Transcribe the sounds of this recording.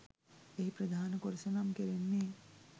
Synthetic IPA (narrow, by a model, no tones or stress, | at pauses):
eɦipɾɐd̪ʱaːnəkoɾsɐnamkeɾenːeː